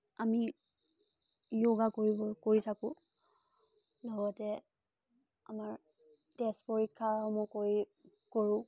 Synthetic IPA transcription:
ami | joɡakoɹibɔkoɹitʰakʊ̃ | lɔɡɔtɛ | a̰maɹ | tɛspoɹikʰːaɔmɔkoi | koɹʊ̃

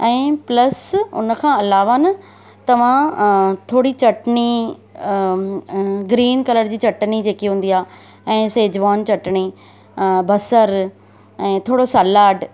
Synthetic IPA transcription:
ɛ̃ːplɐsʊ̰nkʰãɐlaːʋanɐ | t̪ɐʋ̤ãt̪ʰoːɽit͡ɕɐʈɳi | ɡɾiːnkɐləɾd͡ʑiːt͡ɕɐʈnid͡ʑeːkiɦũːn̆d̪iaː | ɛ̃ːseːd͡ʑʋaːnt͡ɕɐʈɳi | bɐsəɾ | ɛ̃ːt̪ʰoːɽosalaːɖ

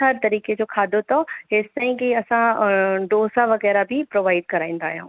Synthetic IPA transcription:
ɦɐɾt̪ɐɾiːked͡ʑoːkʰaːd̪ot̪ɔɦeːst̪ãːĩkiɐsãɖoːsaʋɐɣɛːɾabʱipɾoːʋaːɪɖ̚kɐɾaːĩːnd̪aːɦijã̰ũː

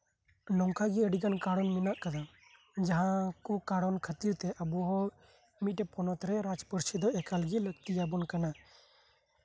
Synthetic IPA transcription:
nɔŋkʰaɡiəɖiɡankaɽɔnminaʔkad̪a | d͡ʒaɦãkukaɽɔnkʰət̪iɾt̪ɛʔabuɦɔ | mit̪̚ɛpɔnɔt̪ɾɛɾad͡ʒpəɾsid̪ɔʔɛkalɡiləɡt̪ijabɔnkana

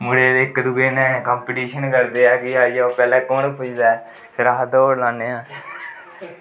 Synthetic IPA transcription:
mʊɽeːd̪eːkːd̪uɡeːnɛ̃ːkaːmpiʈiːʃənkəɾd̪eːɛːkɪaːioːpɛːlɛ̃ːkoːnpʊt͡ʃd̪aːɛː | pʰɪɾaɦd̪oːɽlaːnːeːãː

